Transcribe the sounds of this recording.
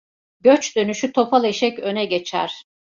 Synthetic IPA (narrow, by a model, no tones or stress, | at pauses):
ɟøt͡ʃd̪̥ø̞nyʃyt̪ʰo̞pʰalˠeʃɛcø̞nɛɟe̞t͡ʃʰæ̰ɾ̥